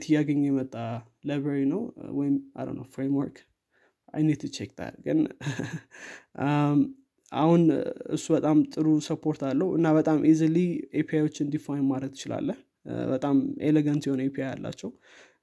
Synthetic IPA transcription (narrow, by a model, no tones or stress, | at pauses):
t̪ʰɨjaɡəɲːjɛmət̪ʼːa | lajbɾeɾinəwwɔjɪma̰ɾə̰nə̰wfɾemwɔɾk | ʔa̰jnit̪ʰut͡ʃek̚t̪ʰa̰lɡɨ̰n | a̰hunɨ̰sːubət̪ʼamt̪ʼɨɾusəpʰːo̞ɾt̪alːəhuʔɨ̰nːabət̪ʼamʔiziliepʰiajwo̞t͡ʃːɨnd̪ifajnmaɾət̪ɪt͡ʃɪla̰lːəh | bət̪ʼameleɡant̪jɛho̞nepʰiaja̰lːa̰t͡ʃːɛw